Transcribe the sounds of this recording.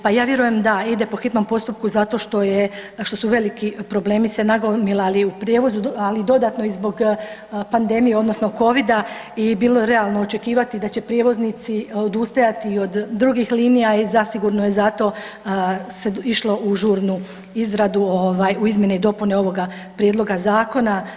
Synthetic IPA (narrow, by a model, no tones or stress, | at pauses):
pajaːʋje̞ɾuje̞md̪aid̪e̞po̞xit̪no̞mpo̞st̪up̚kuzat̪o̞ʃt̪o̞jeʃt̪o̞suʋe̞likipɾo̞ble̞ːmise̞naɡomilaliupɾje̞ːʋo̞zualid̪o̞d̪at̪no̞izbo̞ɡpand̪e̞mijeo̞d̪no̞sno̞ko̞ʋid̪a | ibiːlˠoɾe̞alˠno̞ot͡ʃe̞kiːʋat̪id̪at͡ɕe̞pɾje̞ːʋo̞znit̪siod̪ust̪ajat̪iːo̞d̪d̪ɾuɡixliːnijaizasiɡuɾnoje̞zat̪o̞ː | seiʃlˠo̞ʔuʒuːɾnu | izɾad̪uoʋaːjuizmje̞neid̪o̞pune̞o̞ʋo̞ɡa | pɾjed̪lˠo̞ɡazaːko̞na